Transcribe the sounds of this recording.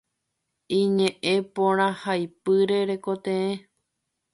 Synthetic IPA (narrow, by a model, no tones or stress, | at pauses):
ĩɲẽʔẽpõɾ̃ãhajpɨɾe̞ɾe̞kot̪ẽẽ